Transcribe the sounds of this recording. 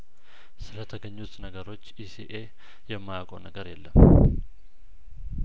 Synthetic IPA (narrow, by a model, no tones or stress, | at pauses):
sɨlət̪ʰəɡəɲːut̪nəɡəɾo̞t͡ʃːisiʔe | jɛmːajakʼənəɡəɾjɛlːəm